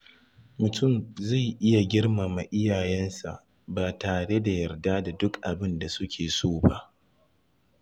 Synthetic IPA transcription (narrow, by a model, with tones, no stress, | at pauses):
mʊ˨tʊ˦˨mza˦˨jʔɪ˦ja˨ɡʲɪ˦rmaː˨ma˨ʔɪ˦jaː˨jɛ˦nsa̰˨ʔ | baː˨taː˨ɽe˦da˨jɐ˨rdaː˦da˨dʊ˦kʔa˨bɪ˦nda˨sʊ˦kʲʰeː˨soː˦˨ba̰˦ʔ